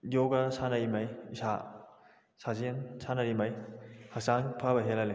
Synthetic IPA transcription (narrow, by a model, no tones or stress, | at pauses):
joɡasanaimajisa | sazensanaɾimajhasaŋpʰabɐɦelale